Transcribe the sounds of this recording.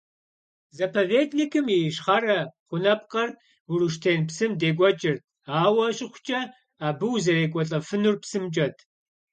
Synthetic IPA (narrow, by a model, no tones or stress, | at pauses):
zɐpʰoːveːtʰnikʰɨmiʃχarɐχʷʊnɐp̚qɐr | uruʃ̬tʰeːnpsɨmdeːɡʷɔt͡ʃʼɪr | aːwɐɕʼɪχʷʊt͡ʃʼɐ | aːbɨwzɐreːɡʷʼɔɬʼɐfɨnurpsɨmt͡ʃʼɐtʰ